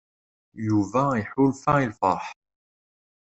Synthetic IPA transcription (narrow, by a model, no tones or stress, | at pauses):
juvæiħʊlfæilfɑˤħ